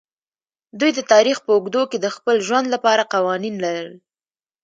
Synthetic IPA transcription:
d̪ujd̪ət̪ɑɾixpəʊɡd̪oked̪əxpəlʒwand̪lapɑɾaqawɑninlaɾəl

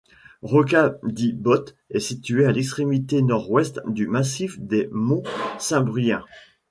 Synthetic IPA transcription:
ʁɔkad̪ibɔt̪ | ɛsit̪yealɛkst̪χemit̪enɔʁwɛst̪d̪ymasifd̪emɔ̃sɛ̃bʁijɛ̃

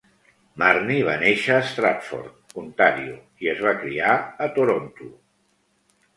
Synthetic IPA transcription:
marniβ̞aneʃəːst̪ɾat̪fo̰rt̪̚kunt̪aɾḭu | iəzβ̞akɾḭaət̪uɾont̪u

